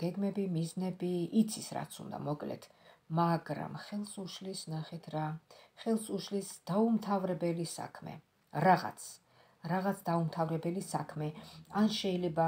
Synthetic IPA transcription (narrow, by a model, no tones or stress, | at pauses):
ɡ̥ɛɡmɛbimiznɛbiːt̪sʰisɾa̰t̪sʰṵnd̪a̰mɔkʼlɛ̰t̪ʰ | maɡɾa̰mχɛlˠsuʃlisnaχɛt̪ʰɾaχɛlˠsuʃlisd̪̥aumt̪ʰavɾɛbɛlisa̰kʰmɛ̰ | ɾaʁa̰t̪sʰ | ɾaʁat̪sʰd̪aumt̪ʰavɾɛbɛlisakʰmɛanʃɛilɛba